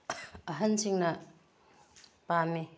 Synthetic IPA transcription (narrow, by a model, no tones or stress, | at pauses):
ɐɦɐnsʰiŋnɐ | pami